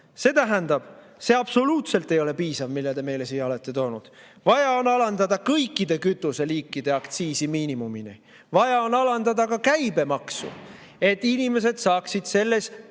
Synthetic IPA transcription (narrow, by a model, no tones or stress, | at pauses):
se̞ːt̪æɦænd̪ɑb̥ | se̞ɑb̥so̞luːt̪se̞lt̪ːˑe̞jo̞le̞piːsɑvmilːed̪̥e̞me̞jle̞siːo̞le̞t̪ˑːe̞t̪o̞ːnud̪̥ | vɑjɑo̞nɑlɑnd̪ɑd̪ɑkɤjkːˑid̪̥e̞kyt̪ːˑuse̞liːkːˑid̪e̞ɑkt̪siːsimiːnimumini | vɑjɑo̞nɑlɑnd̪ɑd̪ɑkɑkæjb̥e̞mɑksṵ | e̞t̪ːˑinime̞s̬e̞d̪̥sɑːksid̪̥se̞lːe̞s